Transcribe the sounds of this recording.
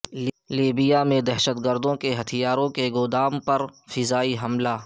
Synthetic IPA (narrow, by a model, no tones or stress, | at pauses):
l | liːbɪjamẽd̪ɛɦʃət̪ɡəɾd̪õkeɦɐt̪ʰijaːɾõkeɡʊd̪aːmpɐɾfɪzaːiɦɐmlaː